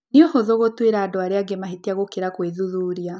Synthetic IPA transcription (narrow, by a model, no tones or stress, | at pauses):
niohoðoɣotweɾadoaɾeaɡemaɦitiaɣokiɾakweðuðuɾja